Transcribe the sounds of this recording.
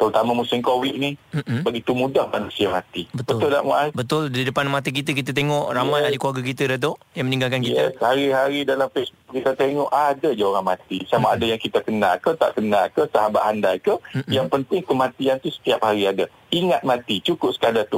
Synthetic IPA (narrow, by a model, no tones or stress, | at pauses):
t̪əɾut̪amãmusɪmkowɪʔ̚nibaɡit̪umũdahmanusiamat̪ibətb̪əʊlʊla̰ʔma̰ʔabət̪ʊldidəpanmat̪ik̬it̪̬ək̬it̪ət̪eŋɔʔramãjadikuwaɡakit̪ədat̪̬oʔjaŋmənĩŋɡalkankkijtɛshaɾiɦaɾidalamfesbʊk̚kit̪at̪eŋɔʔadad͡ʒauɾaŋmat̪isamaːdajaŋkit̪akənakət̪a̰ʔkənalkəsaɦabaʔ̪andakəjaŋpənt̪ɪŋkəmãt̪iant̪usə̥t̪iap̚haɾiada | iŋat̪̚mãt̪it͡ʃukʊp̚sə̥kadat̪u